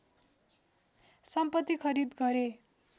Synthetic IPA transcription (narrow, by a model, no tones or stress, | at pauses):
sʌmpʌt̪ːikʰʌɾid̪ɡʌɾe